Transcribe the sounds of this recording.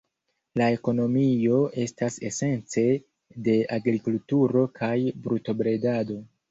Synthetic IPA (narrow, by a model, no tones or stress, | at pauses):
lae̞ko̞no̞mio̞e̞stase̞se̞nt͡se̞ | de̞aɡɾikultuɾo̞kʰajbɾuto̞bɾe̞dado̞